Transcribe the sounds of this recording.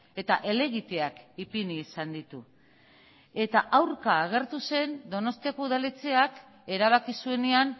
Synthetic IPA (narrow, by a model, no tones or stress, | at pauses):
e̞t̪aʔe̞le̞ɣ̞it̪e̞akipiniːsand̪it̪u | e̞t̪aʔawɾkaːɣ̞e̞ɾt̪use̞nd̪o̞no̞st̪iako̞uðalet͡se̞ak | e̞ɾaβ̞akisue̞nean